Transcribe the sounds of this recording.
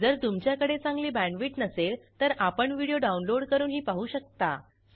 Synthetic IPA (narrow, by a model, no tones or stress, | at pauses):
d͡zəɾt̪umt͡ɕjakəɽet͡sãŋɡliːbæ̃ɳʋiːʈnəselt̪əɾapəɳʋiɽijoɖaunloɽkəɾuːnɦiːpaɦuːɕək̚t̪a